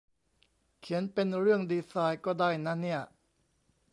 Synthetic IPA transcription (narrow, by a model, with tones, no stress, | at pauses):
kʰi˩˦npe˧nɾɯ˥˩əŋdiː˧saː˧jkɔː˥˩daː˥˩jna˦˥ni˥˩ɐ